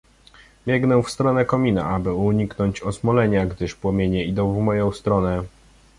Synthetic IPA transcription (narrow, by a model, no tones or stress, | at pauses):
mʲjɛɡnɛwfst̪ɾɔnɛkɔmʲina̰abɘuɲiknɔɲt͡ɕɔsmɔlɛɲaɡd̪ɘʂpwɔmʲjeɲɛid̪ɔ̃w̃vmɔjɔ̃w̃st̪ɾɔnɛ